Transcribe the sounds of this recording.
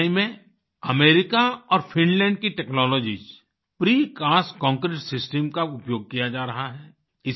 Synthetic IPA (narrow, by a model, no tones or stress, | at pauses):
imẽ | əmeːɾɪkaɔːɾpʰɪ̃nlɛ̃ːɳɖkiʈɛːknɔːlɔːd͡ʒḭd͡ʒ | pɾiːkaːskɔ̃ːŋkɾeːʈsɪsʈəmkaʊpjoːɡ̚kijad͡ʒaːɾɐɦaɦɛː | ɪs